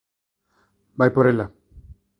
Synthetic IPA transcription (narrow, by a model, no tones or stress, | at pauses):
bajpoɾela